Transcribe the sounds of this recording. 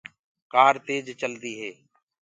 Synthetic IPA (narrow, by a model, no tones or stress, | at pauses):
kaːɾt̪eːd͡ʒt͡ʃəld̪iːɦeː